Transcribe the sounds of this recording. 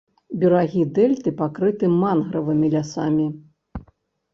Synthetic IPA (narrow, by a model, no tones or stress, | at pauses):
bʲuɾaɣʲid̪ɛlʲt̪ɨpakɾɨt̪ɨmanɣɾɐvɨmʲilʲasamʲi